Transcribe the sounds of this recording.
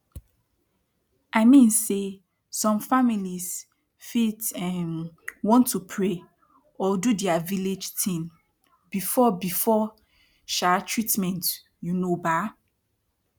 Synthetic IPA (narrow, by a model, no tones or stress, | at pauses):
ʔaɪmĩnse | sɔ̃mfamilis | fitɛ̃nwɔ̃ntʰːupʰɹe | ɔdudɛaviled͡ʒtʰĩn | bifɔbifɔ | ʃatʰɹitmɛ̃nt | junoba